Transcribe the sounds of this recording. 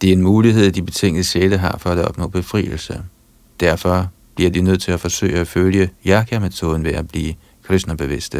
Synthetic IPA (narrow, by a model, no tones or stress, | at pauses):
d̥e̝æɐe̝nmuːliɦe̝ð̞̰ˠd̥ib̥e̝t͡sʰe̝ŋ̰ənəɕeləɦɑ̈fɒ̽æd̥ɒ̽b̥nɔ̰̽ːb̥e̝fʁḭːl̩sə | d̥æɐfɒ̽ | b̥liɐd̥inøð̞̰ˠt͡sʰe̝læfɒ̽sø̰ɪæføljəjɑkʰæmet͡sʰo̝ːðˠn̩ʋe̝æb̥liː | kʰʁesnɐb̥e̝ʋe̝sd̥ə